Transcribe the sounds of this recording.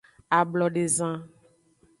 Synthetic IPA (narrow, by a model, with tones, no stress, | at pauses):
a˨blɔ˨ɖe˨zã˦